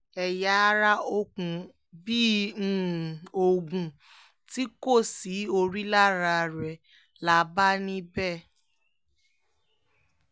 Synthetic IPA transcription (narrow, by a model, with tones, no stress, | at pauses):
ɛ˨ja˧˦˧ɾa˦o˧kũ˨ | bi˦ | o˨ɡũ˨ | ti˦ko˦˨si˨˦o˧ɾi˦la˦˨ɾa˧˨ɾɛ˨ | la˨˦ba˦nĩ˦bɛ˦˨